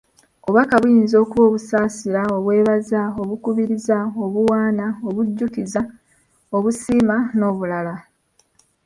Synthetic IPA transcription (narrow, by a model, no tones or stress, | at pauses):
oββakaβujiːnzo̞ːkuβo̞ːβusaːsiɾao̞βwe̞ːβazao̞βukuβiɾizao̞βuwaːnaoβuɟːukiza | oβusiːmano̞ːβulala